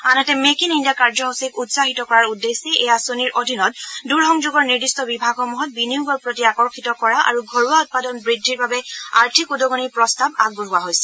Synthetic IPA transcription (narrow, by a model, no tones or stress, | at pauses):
anatɛmekinindiakaɹd͡ʒɔɦosikutsaɦitɔkɔɹaɹudːeseejasoniɹʔodʱinɔt̚duɹɦɔŋd͡ʒuɡɔɹniɹdistɔbibʱaɡɔmuɦɔt̚biniuɡɔɹpɹotiakɔɹkʰitɔkɔɹaʔa̰ɹuɡʱoɹuaut̚padɔnbɹidʱːiɹbabɛaɹtʰikudɔɡoniɹpɹɔstabaɡ̚boɦʊwaɦojsɛ̥